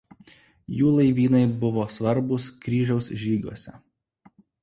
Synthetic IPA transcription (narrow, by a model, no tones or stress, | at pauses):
juːlˠɐɪʋʲiːnɐɪbʊʋoːsʋɐɾbʊskɾʲiːʒʲɛʊsʒʲiːɡʲuɔsʲɛ